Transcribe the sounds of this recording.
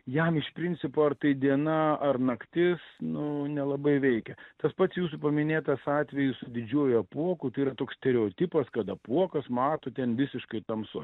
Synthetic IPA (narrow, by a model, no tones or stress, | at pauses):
jɛmɪʃpʲɾʲɪnʲt͡ssʲɪpoːɐrt̪ɐɪd̪ʲiɛnɐɐrnɐkt̪ʲɪsnʊnʲɛlˠɐbɐɪʋʲɛɪkʲɛt̪ɐspɐt̪sjuːsupɐmʲɪnʲeːt̪ɐsɑːt̪ʲʋʲɛjʊsʊd̪ʲɪd͡ʒʲuɔjʊɐpuɔkʊt̪ɐɪiɾɐt̪oːksʲt̪ʲɛɾʲɛoːt̪ʲɪpɐskɐt̪ɐpuɔkɐsmɑːt̪oːt̪ʲɛnʋʲɪsʲɪʃkɐɪt̪ɐmsʊ̰